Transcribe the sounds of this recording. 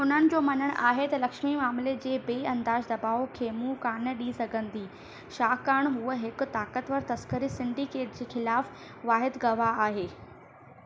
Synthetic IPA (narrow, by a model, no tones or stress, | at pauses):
ʊn̤ənɪ̆d͡ʑoːmɐnəɽ̃ʔaːɦet̪ɐlɐkʃmimaːmled͡ʑeːbeːɐ̃nd̪aːd͡ʑd̪ɐbaːokʰeːmũkaːnə̆ɗisɐɡʱə̃nd̪iː | ʃaːkaːɽ̃ɦuəɦɪkʊt̪aːkət̪ʋəɾt̪ɐskəɾisɪ̃ɳɖikeːʈ̚d͡ʑeːxɪlaːf | ʋaːɦɪd̪ɡɐʋaaːɦeː